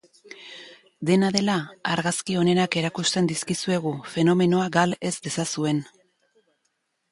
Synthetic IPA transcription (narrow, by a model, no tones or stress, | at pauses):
d̪e̞naðe̞laaɾɣaskio̞ne̞nake̞ɾakust̪e̞nd̪iskisue̞ɣ̞ufe̞no̞me̞no̞aɡale̞zd̪e̞sasue̞n